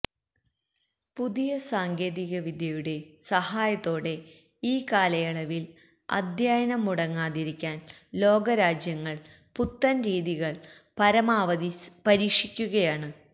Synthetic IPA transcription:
puðijɐsaːŋɡe̞ːðiɣɐʋid̪ʱjɐjuɽe̞sɐhaːjɐt̪ːo̞ːɽe̞ | iːkaːlɐjɐɭɐʋil | ɐ̰d̪ʱjaːjɐnɐmːuɽɐŋːaːðiɾikʲːaːnlo̞ːɡɐɾaːd͡ʑjɐŋːɐɭ | put̪ːɐnɾiːðiɣɐɭpɐɾɐmaːʋɐpɐɾiːkʂikʲːuɣɐjaːɳɨ

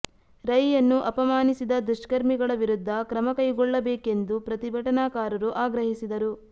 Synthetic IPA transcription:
ɾɐjjɐnːuʔɐpɐmaːnisid̪ɐd̪uʃkɐɾmiɡɐɭɐʋiɾud̪ʱːɐkɾɐmɐkɐjɡɔɭːɐbeːke̞nd̪upɾɐt̪ibʱɐʈɐnaːkaːɾɐɾuʔaːɡɾɐɦisid̪ɐɾu

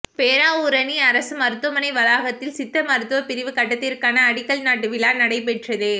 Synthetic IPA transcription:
peːɾaːʊɾɐniɐɾɐsɯmɐɾɯt̪ːɯmɐnɐɪʋɐlaːɣɐt̪ːɪlsɪt̪ːɐmɐɾɯt̪ːɯʋɐpɪɾɪʋɯkɐʈːɐt̪ːɪɾkaːnɐːɽɪkːɐɭnaːʈːɯʋɪlaːnɐɽɐɪpɛʈrɐðɯ

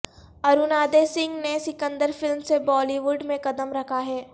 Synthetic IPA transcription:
ɐɾunaːd̪esɪ̃ŋɡnesɪkə̃nd̪əɾfɪlmsebɔːliʋʊɖmẽkɐd̪əmɾɐkʰaɦɛː

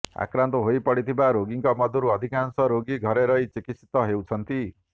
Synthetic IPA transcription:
a̰kɾant̪ɔɦojpɔɽit̪ʰibaɾoɡiŋkɔmɔd̪ʱɔɾuɔd̪ʱikansɔɾoɡiɡʱɔɾeɾʌit͡ʃikit̪si̥t̪ɔɦewt͡ʃʰʌnt̪i

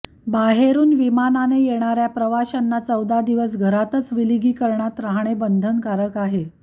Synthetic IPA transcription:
baɦeɾuːnʋimananejeɽ̃aɾjapɾəʋaɕanːat͡səwd̪ad̪iʋəs̬ɡʱəɾat̪ət͡sʋiliɡiːkəɾɳat̪ɾaɦɳ̃ebənd̪ʱənkaɾəkaɦe

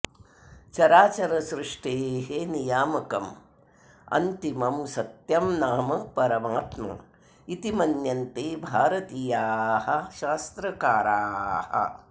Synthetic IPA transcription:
t͡ʃɐɾaːt͡ʃɐɾɐsɾɪʂʈeːɦenijaːmɐkɐm | ɐ̰nt̪imɐmsɐt̪jɐmnaːmɐpɐɾɐmaːt̪mɐ̰ | it̪imɐnjɐnt̪eːbʱaːɾɐt̪iːjaːhɐ̆ʃaːst̪ɾɐkaːɾaːhɐ̰

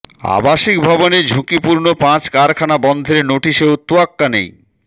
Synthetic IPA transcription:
a̰baʃik̚bʱaboned͡ʑʱũkipuɾnopãt͡ɕkaɾkʰanabɔnd̪ʱeɾenoʈiʃeot̪oakːanḛj

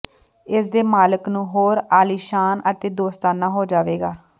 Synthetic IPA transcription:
ɪsd̪eːmaːləknũːɦoːɾaːliːʃaːnət̪eːd̪oːst̪aːnaːɦoːd͡ʒaːʋeːɡaː

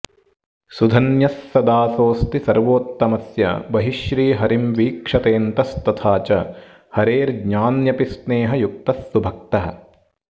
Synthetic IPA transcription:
sud̪ʱɐnjɐsːɐd̪aːsoːst̪isɐɾʋoːt̪ːɐmɐsjɐ̰bɐɦiʃɾiːɦɐɾimʋiːkʂɐt̪eːnt̪ɐst̪ɐt̪ʰaːt͡ʃɐ | hɐɾeːɾɡɲaːnjɐpisneːɦɐjuk̚t̪ɐsːubʱɐk̚t̪ɐɦɐ̰̆

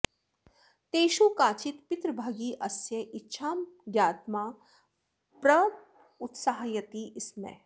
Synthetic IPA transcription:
t̪eːʃukaːt͡ʃit̪pɪt̪ɾəbʱaːɡiːʔɐsjɐʔɪtːʃʰaːmɡjaːt̪maː | pɾɐ | ʊt̪saɦjɐt̪iʔɪsmḛ

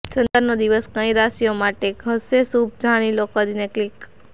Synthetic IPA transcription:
t͡ʃə̃nt̪əɾnod̪iʋəskə̃ĩɾasijomaʈeɡʱəsesub̚d͡ʒʱaɽ̃ilokəd̪ineklik

